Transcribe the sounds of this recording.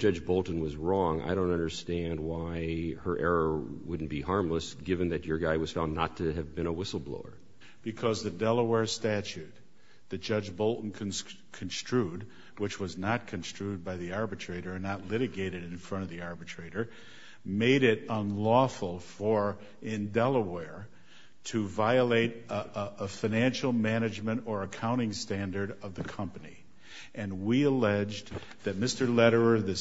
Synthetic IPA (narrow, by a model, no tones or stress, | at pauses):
d̥ʒ̥ʌd͡ʒbolˠtn̩wʌzɹɔ̃ŋa̰ɪɾõʊ̃ntʌ̃ndə˞stæ̃nd̚waɪə˞ʔɛɹə˞wʊdⁿn̩b̥ihɑɹmləsɡ̥ɪvɨ̃nðɨt͡ʃə˞ɡaɪwʌz̥fãʊ̃nːətʰɨɨvbɨ̃ɾ̃əwɪsl̩ˠblo̰ʊə̰˞ | b̥ɨkʰʌzðɨdɛlˠəwɛɹstæt͡ʃʉt̪̚ | ðɨ̥ʒ̥ʌd͡ʒboʊlˠʔn̩kʰ | kʰnstʰɹ̥ʉd̚ | wɨt͡ʃwʌznət̚kʰɨ̃nstɹ̥ʉd̚baɪðiɑɹbɨtʰɹ̥eɪɾə˞ɨ̃nːətˡlɪɾɨɡeɪɾɨɾɨ̃nfɹʌ̃ɾ̃ʌvðiɑɹbɨtʰɹ̥eɪɾə˞ | meɪɾɪɾə̃nlɔfl̩ˠfə˞ | ɪ̃ndɛlˠəwɛɹ | ɾʰɨvaɪəleɪɾəfaɪnæ̃nʃl̩ˠmæñɨd͡ʒmɨ̃ɾ̃ə˞ɨkʰãʊ̃ɾ̃ɪ̃ŋstæ̃ndə˞ɾʌvðɨkʰʌ̃mpɨnḭ | ʔɨ̃nwiəlɛd͡ʒ | ðɨt̚mɪstə˞lɛɾə˞ə˞ðɨ